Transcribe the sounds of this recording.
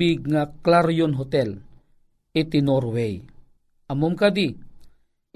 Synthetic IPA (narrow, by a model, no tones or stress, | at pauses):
iɡ̚ŋaklaɾjonɦot̪ɛl | it̪inoɾwɛj | ʔamʊmkad̪i